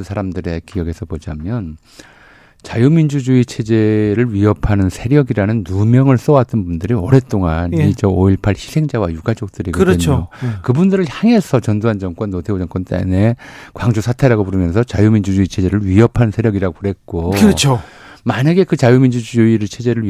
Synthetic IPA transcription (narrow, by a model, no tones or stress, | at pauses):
sʰaɾamdɯɾe̞kijʌɡe̞sʰʌpod͡ʑamjʌn | t͡ɕajumind͡ʑud͡ʑuit͡ɕʰe̞d͡ʑe̞ɾɯɭɥiʌpʰanɯnsʰeɾjʌɡiɾanɯnːumjʌŋɯɭs͈ʌwat̚t͈ʌnbundɯɾiʌɾe̞t͈oŋanid͡ʑʌoiɭpʰaɭçi̥sʰe̞ŋd͡ʑawajuɡad͡ʑʌk̚t͈ɯɾiɡoɯɾɯɲokɯbundɯɾɯɭçjaŋe̞sʰʌt͡ɕʌndoɦand͡ʑʌŋk͈wʌnːotʰeod͡ʑʌŋk͈ʌnt͈ḛne̞kwaŋd͡ʑusʰatʰe̞ɾaɡopuɾɯmjʌnsʰʌt͡ɕajumind͡ʑud͡ʑuit͡ɕʰe̞d͡ʑe̞ɾɯɭɥiʌpʰannsʰe̞ɾjʌɡiɾaɡoɾe̞t̚k͈okt͡ɕʰo | maɲaɡe̞kɯt͡ɕajumind͡ʑud͡ʑuiɾɯt͡ɕʰe̞d͡ʑe̞ɾɯɭ